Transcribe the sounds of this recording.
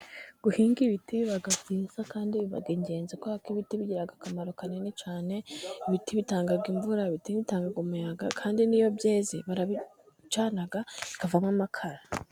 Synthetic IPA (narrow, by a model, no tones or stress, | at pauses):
ɡ̥uhiːŋɡiβitiβaɡabiːzakaːndiβiβa̰ɡiɲɟe̞ːnzikoakiβitiβiɟiɾaɡakamaɾo̞kanenet͡ʃaːne̞iβitiβitaːŋɡaɡiɱvuɾaβitiβitaːŋɡaɡumujaɡakʰaːndinijo̞bjeːzḭβaɾaβi | t͡ʃaːnaɡaikavamŋamakʰaɾa